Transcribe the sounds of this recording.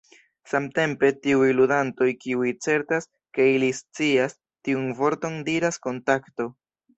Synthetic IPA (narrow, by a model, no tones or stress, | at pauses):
samte̞mpe̞tiujludanto̞jkiujt͡se̞ɾtas | ke̞ilist͡sias | tiunvo̞ɾto̞ndiɾasko̞ntakto̞